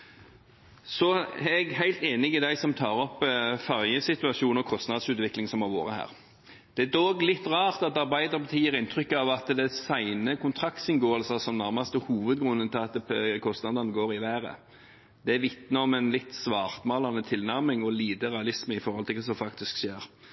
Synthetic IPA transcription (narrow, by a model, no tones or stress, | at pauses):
sɔɛɡhæɪlt̪eːnɪɪd̪æɪsɔmt̪ʰɑːɾɔpːfɑʁjəsɪt̪ʉɑʂuːnɔkʰɔst̪nɑd̪sʉːt̪ʋɪklɪŋsɔmɑʋo̰ːɾəhæ̰ːʁ | d̪̥ɛd̪oːɡlɪt̪ːʁɑːʁt̪ɑt̪ɑʁbæɪd̪əɾbət̪ʰiːəɾɪnt̪ʰɾʏkːəɑʋɑt̪d̪ɛsæɪnəkʰʊnt̪ʰɾɑkt̪sɪnɡoːəlsəsɔmnæɾmɑst̪əhuːʋəd̪ɡɾʉnːənt̪ʰɪɑt̪̚kʰɔst̪nɑd̪ɑnəɡoːɾɪʋæːɾə̰ | d̪̥ɛæʋɪt̪nəɔmɛnlɪt̪ːsʋɑːʁt̪mɑːlɑnət̪ʰɪlnæʁmɪŋɔliːd̪əʁɛɑlɪsməɪfɔɾʁhɔlt̪ʰɪld̪ɛs̬ɔmfɑkt̪ɪskʃeːʁ